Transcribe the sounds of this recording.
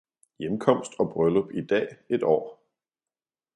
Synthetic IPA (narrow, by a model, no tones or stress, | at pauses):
jemkʰɒ̽m̰sd̥ɒ̽b̥ʁœləb̥id̥ɛ̰ːe̝d̥ɒ̰ː